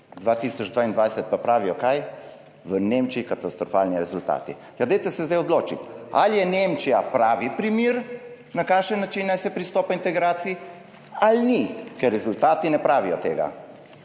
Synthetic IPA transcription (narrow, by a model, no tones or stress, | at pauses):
d̪ʋaːt̪isɔd͡ʒd̪ʋaind̪ʋajsɛt̪̚papɾaːʋijɔkaj | ʋənemt͡ʃiːkat̪ast̪ɾɔfa̰ːlniɾɛzult̪a̰ːt̪i | jad̪ɛjt̪ɛsɛzd̪ajɔd̪loːt͡ʃit̪a̰ljɛnemt͡ʃijapɾaːʋipɾimiɾ | nakaːʃɛnːat͡ʃinːajsɛpɾist̪ɔːpaint̪ɛɡɾaːt̪siː | alnikɛɾːɛzult̪aːt̪inɛpɾaːʋijɔt̪eːɡa̰